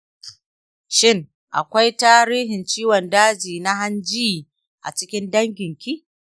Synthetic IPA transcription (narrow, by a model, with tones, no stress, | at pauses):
ʃɪ˦ŋ | ʔa̰˨kʷa˦jtaː˦ɾiː˦ɦɪ˨nt͡ʃiː˦wɔ˨ndaː˦d͡ʒiː˨na˦ɦa˦nd͡ʒiː˦ | ʔa̰˨t͡ʃɪ˦kʲɪ˦ndɐ˦ŋɡʲɪ˨ŋkʲi˦ʔ